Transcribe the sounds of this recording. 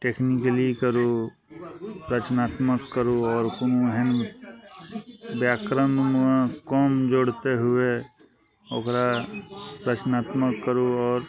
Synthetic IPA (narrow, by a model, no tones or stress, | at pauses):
ʈeːknɪkəlikəɾu | pɾət͡ʃnaːt̪məkːəɾuɔːɾkʊnuɦɛn | bjaːkɾənnãkɔːmd͡ʒoːɽt̪eɦʊe | okɾa | pɾət͡ʃnaːt̪məkːəɾuɔːɾ